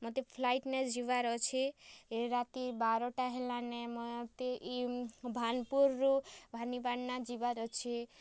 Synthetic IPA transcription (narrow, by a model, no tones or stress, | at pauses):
mɔt̪epʰlajʈned͡ʒiʋaɾɔt͡ʃʰeeɾat̪ibaɾɔʈaɦelanɛmɔt̪eʔibʱanpuɾːubʱanibaɽnad͡ʒiʋaɾɔt͡ʃʰe